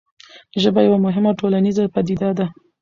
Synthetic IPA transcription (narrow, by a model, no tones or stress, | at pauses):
ʒəbajawamʊɦɪmawʈolanizapad̪id̪ad̪a